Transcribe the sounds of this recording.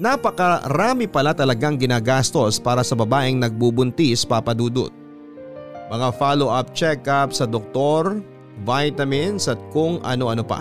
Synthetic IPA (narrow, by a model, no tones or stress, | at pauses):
napɐkɐɾaːmɪpɐlat̪ɐlɐɡaŋɡɪnaːɡast̪o̞spaːɾɐsɐbɐbaːʔɪŋnɐɡ̚bubʊnt̪ispapɐd̪uːd̪ʊ̰t̪̚ | mɐŋafaːloʔap̚t͡ʃɛkapsɐd̪ok̚t̪o̞ɾ | vajt̪ɐmɪnsɐt̪̚kʊŋʔɐ̰noʔɐnopɐ̰